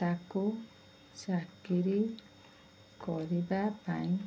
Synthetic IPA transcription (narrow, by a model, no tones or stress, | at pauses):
t̪aku | sakiɾi | kɔɾibapa̰ɲ